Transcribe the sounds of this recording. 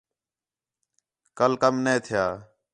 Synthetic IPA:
kəlkəmnẽːt̪ʰɪjaː

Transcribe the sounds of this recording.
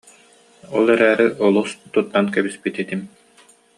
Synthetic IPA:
ɔlˠɛɾæːɾiʔɔlˠust̪ut̪ːankɛbispit̪it̪im

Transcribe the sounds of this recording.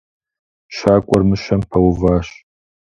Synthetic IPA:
ʃaːkʷʼɔrmɨʃɐmpʰɐwvaːɕ

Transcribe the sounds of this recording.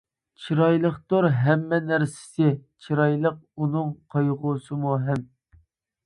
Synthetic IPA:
t͡ʃʰiɾɑjlˠəχt̪oɾɦɛmːɛnæɾsɪ̥sɪt͡ʃʰiɾɑjlˠəq̚unɨŋqʰɑjʁuːsɨmuɦɛm

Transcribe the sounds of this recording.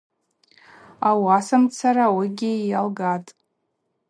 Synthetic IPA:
awasamt͡sʰaɾawiɡʲɪjalɡatʼ

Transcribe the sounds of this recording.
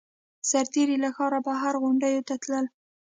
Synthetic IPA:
saɾt̪eɾilaxɑɾabaɦaɾɣʊɳɖajot̪at̪ləl

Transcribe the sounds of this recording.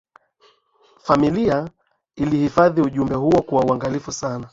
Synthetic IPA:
familia | ilihifaðiuʄumbɛɦuɔkuwauaŋɡalifusana

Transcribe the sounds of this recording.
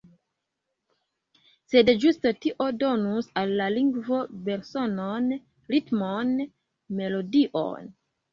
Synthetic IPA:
se̞dd͡ʒustotiʔo̞do̞nusalːaliŋɡvo̞be̞ɾso̞non | ɾitmon | me̞lo̞diʔo̰n

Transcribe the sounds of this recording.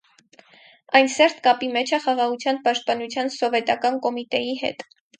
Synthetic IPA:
ɑjnsɛɾt̪kɑpimɛt͡ʃʰəχɑʁɑʁut͡sʰjɑnpɑʃt̪̚pɑnut͡sʰjɑnsɔvɛt̪ɑkɑnkɔmit̪ɛjiɦɛ̰t̪

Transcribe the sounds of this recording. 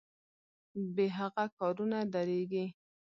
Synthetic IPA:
beɦaɣakɑɾunad̪aɾeɡi

